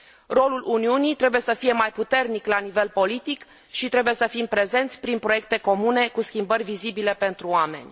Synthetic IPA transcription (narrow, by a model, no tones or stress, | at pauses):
ro̞lulʔuniunit̪ɾe̞buje̞səfije̞majput̪e̞rniklanive̞lpo̞lit̪ik | ʃit̪ɾe̞buje̞səfimpɾe̞ze̞nt̪sʲpɾinpɾo̞je̞k̚t̪e̞ko̞mune̞kuskʲimbərʲvizibile̞pe̞nt̪ɾuoame̞̰nʲ